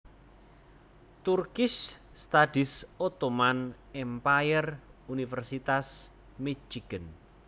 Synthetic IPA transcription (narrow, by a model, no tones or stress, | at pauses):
t̪urkɪsː | t̪adɪsot̪oman | ɛmpajərunifɛrsit̪as | mit͡ʃiɡ̥ən